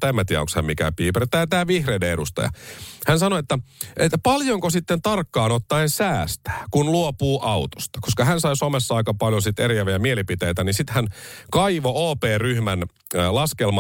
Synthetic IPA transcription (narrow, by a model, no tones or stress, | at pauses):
t̪æmːæt̪iɑ̰o̰kshḛmmikæ̰piːpert̪æːt̪æːʋihreideedust̪ɑ̰jɑ̰hænsɑnoet̪ːæʔet̪ːæpɑljoŋkosit̪ːent̪ɑrkːɑːnot̪ːɑensæːst̪æ̥ːkunluopuːʔɑut̪o̥st̪ɑ̥koskɑhænsɑisomesːɑɑikɑpɑljosit̪erijæʋiæmielipit̪ejt̪ænisit̪hænkɑiʋooːpeːryhmæn | lɑskelmɑ